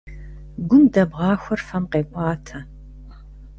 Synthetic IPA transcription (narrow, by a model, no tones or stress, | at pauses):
ɡʷʊndɐbʁɑːxʷɔrfɐmqeːkʷʼɑːtʰɐ